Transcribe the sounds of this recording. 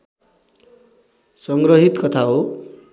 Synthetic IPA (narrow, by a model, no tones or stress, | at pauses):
sʌŋɡrʌɦit̪kʌt̪ʰaɦo